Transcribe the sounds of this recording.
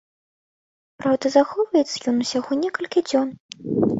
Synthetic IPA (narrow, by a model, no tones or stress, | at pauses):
pɾawd̪ɐzaxɔvɐjɛt̪sɐjɔnusʲaɣɔnʲɛkɐlʲkʲid͡zʲɔn